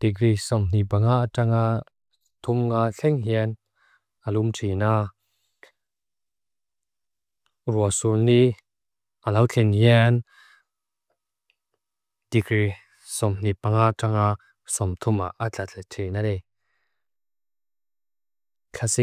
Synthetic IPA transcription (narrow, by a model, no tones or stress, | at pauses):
t̪ikrisɔmn̥ipaŋaʔʈ͡ʂaŋa | t̪ʰumŋaɬʰɛŋɦiən | alumtʰina | ruasulni | ʔalawt͡ɬʰɛnhian | t̪ikɾi | sɔmn̥ipaŋaʈ͡ʂaŋa | sɔmt̪ʰuma̰ʔat͡ɬat͡ɬʰɛtʰinalɛ | kʰasi